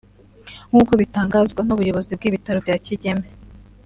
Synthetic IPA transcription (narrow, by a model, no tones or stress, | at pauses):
ŋuːko̞βitaːŋɡaːzɡwanuβujo̞βo̞zib̚ɡiːβitaɾobɟaːciɟe̞me